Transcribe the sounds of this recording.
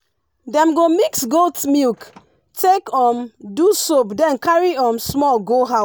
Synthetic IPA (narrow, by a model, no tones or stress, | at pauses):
dɛ̃mɡomiksɡoltmilk | tʰekɔ̃mdusobdɛ̃nkaɹiɔ̃msmɔlɡoɦa